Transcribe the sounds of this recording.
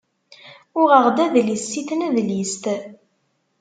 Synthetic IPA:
ʊʁəʁd̪æðlisːiθnæðlist̪

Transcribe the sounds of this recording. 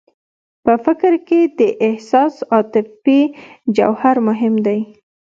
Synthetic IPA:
pəfɪkɾked̪əʔɪhsɑsɑt̪ɪfid͡ʒa̰whaɾmʊɦɪmd̪aj

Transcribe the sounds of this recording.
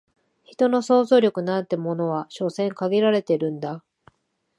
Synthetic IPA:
çi̥t̪o̞no̞so̞ːzo̞ːɾʲjo̞kɯ̟nãnt̪e̞mo̞no̞βaɕo̞sẽ̞ŋkaɡʲiɾaɾe̞t̪e̞ɾɯ̟̃nd̪a

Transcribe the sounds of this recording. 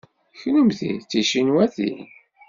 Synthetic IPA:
çnumθḭt͡sːiʃinwæθḭ

